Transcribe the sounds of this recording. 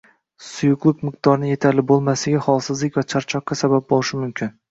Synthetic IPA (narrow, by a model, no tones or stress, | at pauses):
sʊjʊqlˠɨqmɪq̚d̪ɒɾnɪje̞t̪ʰaɾlɪbolˠmasɪɡʲahɒlˠsɪzlɪkʲvat͡ʃʰaɾt͡ʃʰɒqːɑsabap̚bolˠɪʃɪmʊmkʲʰɪn